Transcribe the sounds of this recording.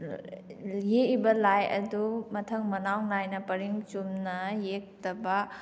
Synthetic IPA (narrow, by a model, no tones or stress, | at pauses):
jeibɐlajʔɐ̰dumɐtʰɐŋmɐnawnajnɐpɐɾiŋt͡ʃumnɐjek̚tɐbɐ